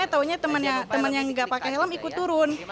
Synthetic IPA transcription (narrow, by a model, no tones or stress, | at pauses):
at̪auɲat̪əmənjat̪əmənjaŋɡaʔpakɛɦelamikut̪ːuɾʊn